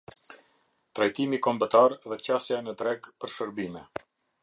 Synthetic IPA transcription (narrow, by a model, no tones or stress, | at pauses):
t̪ɾajt̪imikɔmbət̪aɾðɛt͡ɕasjanət̪ɾɛɡpəɾʃəɾbimɛ